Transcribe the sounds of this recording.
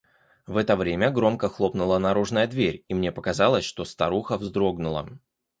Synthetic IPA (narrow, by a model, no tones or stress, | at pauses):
vɛt̪əvɾʲemʲəɡɾo̞mkəxlˠo̞pnʊlˠənɐɾuʐnəjəd̪vʲeɾʲimnʲe̞pəkɐzɑlˠəsʲʂt̪o̞st̪ɐɾuxəvzd̪ɾo̞ɡnʊlˠə̰